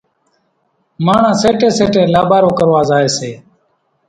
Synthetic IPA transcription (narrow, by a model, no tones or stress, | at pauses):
maːɳ̤ãːseːʈeːseːʈeːlaːbaːɾõːkəɾʋaːzaːeːseː